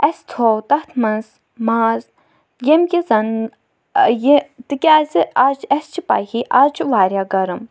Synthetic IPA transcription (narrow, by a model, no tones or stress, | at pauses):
ɛst̪ʰowt̪ɐht̪ʰmɐnz | maːz | jemkizɐn | jet̪ɨkʲaːziʔaːt͡ʃʰɛst͡ʃʰipa̰hiʔaːzt͡ʃʰuʋaːɾjaːɡɐɾɨm